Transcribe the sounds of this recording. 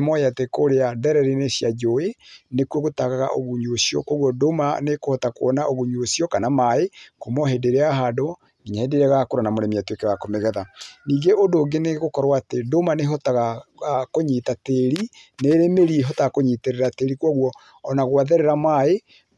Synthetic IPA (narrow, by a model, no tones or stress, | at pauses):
mɔjatekoɾeaðɛɾɛɾenesjad͡ʒoenekwɔɣotaɣaɣa̰ʔoɣuɲuosiɔ̰kwɔɣwɔdomanekohɔtakoɔnaʔoɣuɲuosiɔkanamaekomɔɦedeɾeaɦado | iɲahedeɾeɣakoɾɔnamoɾɛmiatwekeɣakomeɣɛðaniːɡeʔodoːŋɡeneɣokɔɾwaːtedomaneɦɔtaɣaɣakoɲitateɾi | neɾemeɾiɦɔtaɣkoɲiteɾeɾateɾikwɔɣwɔː | naɣoaðeɾeɾamae